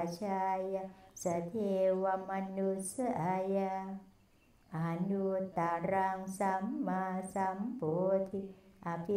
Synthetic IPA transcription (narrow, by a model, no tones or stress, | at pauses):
t͡ʃajasat̪ʰewamanusəʔaja | anut̪aɾaŋsamːasambot̪ʰiʔapi